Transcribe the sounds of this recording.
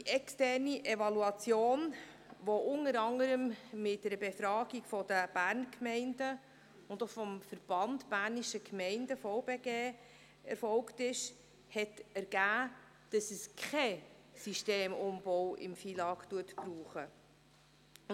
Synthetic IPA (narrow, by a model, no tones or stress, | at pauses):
d̥iʔɛkstɛɾniʔɛvɑluɑt͡sjoːnʋoʔʊnəɾɑŋəɾəmmɪt̚dɛɾəbefɾɑːɡiɡ̥fɔdəb̥æːɾnkʰmɛɪndə | ʊndofɔmfəɾb̥ɑndb̥æːɾniʃəkmɛɪndəfoʊbeːɡeː | ɛ̰ɾfɔlktɪʃ | hɛtɛɾɡ̥æː | d̥ɑsəskʰχɛ | siʃteːmʊmbɔʊwʔɪ̰mfiːlɑːktuətpɾuːχə